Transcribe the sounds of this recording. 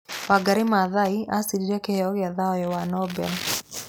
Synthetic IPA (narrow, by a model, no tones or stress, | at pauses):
waɡaɾimaðaiasidiɾɛkeɔɣɪaðaɔjɛwanɔbɛl